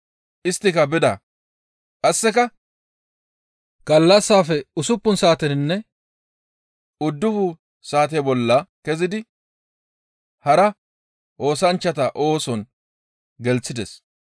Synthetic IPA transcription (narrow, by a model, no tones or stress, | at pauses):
ʔɪst̪ːɪkɐbɪd̪aː | kʼɐsːɛkɐ | ɡ̥ɐlːɐsːaːfɛʊsʊpːʊnsaːt̪ɛnɪnːɛ | ʊd̪ːʊfʊ | saːt̪̬ɛbɔlːɐkɛzɪd̪ɪ | hɐɾɐ | ʔo̞ːsɐnt͡ʃːɐt̪ɐʔo̞ːsɔn | ɡɛlt͡sːɪd̪ɛs